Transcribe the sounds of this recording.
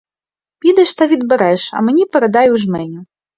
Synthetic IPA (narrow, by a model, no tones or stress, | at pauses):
pʲid̪ɐʂt̪ɐvʲid̪̚bɐɾɛʂɐ̰mnʲipɐɾɐd̪ajuwʐmɛnʲu